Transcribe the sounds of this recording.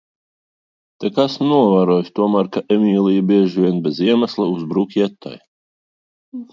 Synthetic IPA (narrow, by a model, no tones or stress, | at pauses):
t̪ɛkasnuɔvaːɾɔjst̪uɔmaːɾkaʔɛmʲiːlˠijbʲiɛʒvʲiɛnbʲɛziɛmaslˠauzbɾukʲɛt̪ːa̰j